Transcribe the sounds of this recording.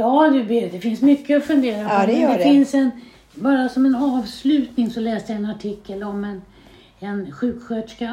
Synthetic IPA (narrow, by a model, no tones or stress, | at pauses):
jɑːd̪ɵbɪd̪ɛfɪnsmʏkʰːəɔfɵnd̪eːɾapɔd̪ɛfɪnsɛn | bɑːɾasɔmɛnɑːvslʉ̟ːt̪nɪŋsɔlɛːsd̪əjaɛnaʈʰɪkʰːəlɔmɛn | ɛnɧʉ̟ːkɧøːt̪ʂka